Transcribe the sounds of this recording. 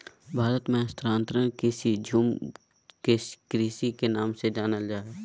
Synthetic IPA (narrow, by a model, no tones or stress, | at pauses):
bʱaːɾət̪mẽst̪ɾãːnt̪ɾənkɪsid͡ʒʱum | kekɾiːsikenaːmsed͡ʒaːnəld͡ʒaːe